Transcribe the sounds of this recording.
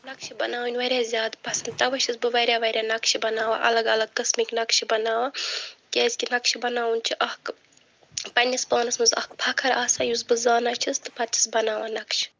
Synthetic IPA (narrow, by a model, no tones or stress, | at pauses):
nɐkʃibɐnaːwunʲʋɐɾʲjaːzʲjaːd̪pɐsɐnd̪̚t̪ɐʋɐʃʰisbɨʋɐɾʲaːʋɐɾʲjaːnɐkʃibɐnaːʋaʔɐ̰lɐɡɐlɐɡ̚kɐsmiknɐkʃibɐnaːʋaːkʲeːzʲkʲinɐkʃibɐnaːwunt͡ʃʰiʔɐhk | pɐnʲisbaːnɐsmɨzɐ̰hkpʰɐkʰɐɾaːsaːjusbɨzaːnat͡ʃʰist̪ɨ̥pɐt̪ʲʰi̥sbɐnaːʋaːnɐkʃ